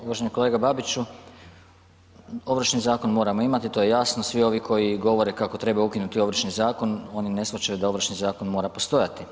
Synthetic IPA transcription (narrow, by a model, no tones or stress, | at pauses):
uʋaʒe̞ɲiko̞le̞ːɡababit͡ʃu | o̞ʋɾ̩ʃnizaːko̞nmo̞ːɾamo̞imat̪it̪oje̞jaːsnosʋio̞ʋikʰo̞jiɡo̞ʋo̞ɾe̞kako̞t̪ɾe̞baukinut̪io̞ʋɾ̩ʃnizaːko̞no̞ːnine̞sʋat͡ɕajud̪aoʋɾ̩ʃnizaːko̞nmoːɾapo̞st̪o̞jat̪i